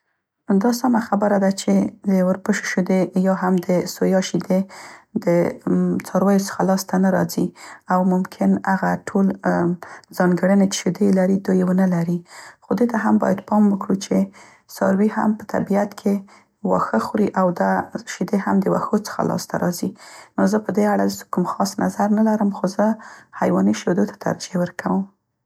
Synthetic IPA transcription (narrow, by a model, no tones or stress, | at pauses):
d̪ɑsɑmaxabəɾad̪at͡ʃed̪əwəɾpəʃe̥ʃid̪ejɑɦamd̪əsojɑʃid̪ed̪ət͡sɑɾwɑjot͡sə̥xalɑst̪anaɾɑ̰ziawmʊmkʰɪnaɣaʈʰol | zɑŋɡəɽənet͡ʃ̪ʃed̪elaɾid̪ujewənəlaɾixod̪et̪aɦambɑ̰jad̪pɑmwəkɽut͡ʃe | sɑɾwiɦa̰mpə̥t̪ʰa̰biat̪kʰe | wɑ̰xəxɾiʔawd̪aʃed̪ehamd̪əwa̰xot͡sə̥xa̰lɑ̰st̪a̰ɾɑ̰zinozəpəd̪eaɽaskʊmxɑsna̰zaɾnalaɾəmxozəhajwɑniʃed̪ot̪ʰḁt̪ʰa̰ɾd͡ʒiewəɾkʰawəm